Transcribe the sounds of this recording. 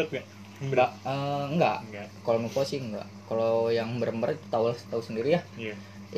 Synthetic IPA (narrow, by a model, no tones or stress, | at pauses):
t̪̚ɡa | aəŋɡa̰ʔkalomukasɪhəŋɡa̰ʔkalojaŋbərəmbərit̪u̥t̪awulst̪ausəndiɾijah